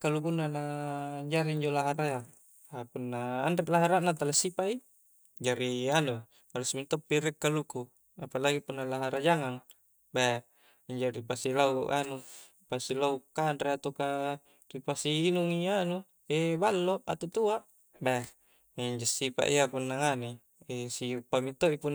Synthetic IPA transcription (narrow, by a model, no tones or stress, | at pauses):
kalukunːanaɲd͡ʒaɾiiɲd͡ʒolaɦaɾaja | apunːaːnreʔlaɦaɾaʔnat̪alasipaʔi | d͡ʒaɾianu | balusmint̪opːiɾɛkːaluku | apalaɡipunːalaɦaɾad͡ʒaŋaŋ | ba | iɲd͡ʒaɾipasilauʔa̰nu | pasilaukanɾeat̪oka | ripasiːnuŋianu | ebalːoat̪ut̪uaʔ | ba | eiɲd͡ʒosipa̰ʔiapunːaŋane | esiupːamit̪oipun